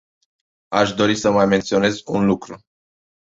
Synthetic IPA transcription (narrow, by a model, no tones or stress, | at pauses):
aʃd̪o̞ɾisəmajme̞nt̪sio̞ne̞zunlukɾu